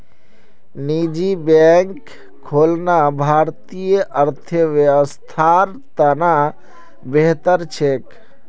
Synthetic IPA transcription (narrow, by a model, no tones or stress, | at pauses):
nid͡ʒibɛŋkʰː | olnabʱaɾt̪ijəʔəɾt̪ʰəʋjeʋəst̪ʰaɾ | t̪əna | beɦt̪əɾt͡ʃʰek